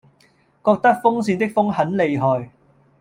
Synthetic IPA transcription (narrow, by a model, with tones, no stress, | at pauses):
kɔː˧k̚t̪ɐ˥k̚fʊ˥ŋsiː˧nt̪̬ɪ˥k̚fʊ˥ŋhɐ˨˥nle˨˧jɦɔː˨j